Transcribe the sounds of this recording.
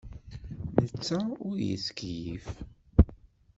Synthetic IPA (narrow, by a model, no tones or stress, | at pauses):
nət͡sːaʊɾjə̰skjḭf